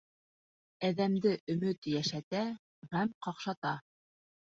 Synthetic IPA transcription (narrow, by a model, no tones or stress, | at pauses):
æðæmd̪ɘʔɵ̆mɵt̪jæʃæt̪æ | ʁæmqɑqʃɑt̪ɑ